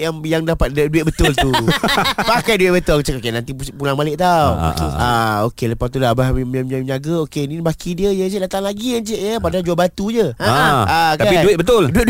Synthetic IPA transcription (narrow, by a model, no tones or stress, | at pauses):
jaŋjaŋdapat̪̚dəduɪt̪̚bət̪ʊlt̪u | pakajduɪt̪̚bət̪ʊlkt͡ʃəokenãnt̪ipulaŋbalɪʔt̪aw̰aokeləpat̪ulabahɲaɡaokenibakidiəjət͡ʃədat̪aŋlaɡiant͡ʃəʔjəpadad͡ʒuabat̪uɲəak̪aapiduɪt̪̚bət̪ʊlduɪt̪̚d